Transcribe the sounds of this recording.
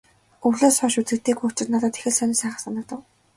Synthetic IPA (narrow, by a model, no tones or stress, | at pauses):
uɮoːsɔːʃut͡s̪ɡɘ̆k̚t̪eːɡuːt͡ɕɪ̆rnat̪ə̆t̪e̥xɘ̆ɮsœnʲɪ̆sæːχə̆χsanə̆t̪ə̆w